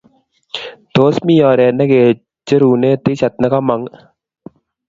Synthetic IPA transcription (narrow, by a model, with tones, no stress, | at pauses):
d̪̥oː˨˦smi˦jaː˨ɾeː˨nɐ˦keː˨ | t͡ʃə˦ɾuː˨neː˦t̪i˦ɕɐ˨t̪̚nɐ˦ka˦mɐ˨ŋ